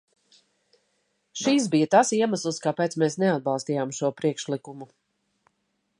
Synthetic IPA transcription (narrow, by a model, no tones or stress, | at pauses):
ʃis̬bijət̪asiɛmaslˠskaːpeːt̪smesnɛad̪̚balˠst̪iːjaːmʃuɔpɾiɛkʃlikumu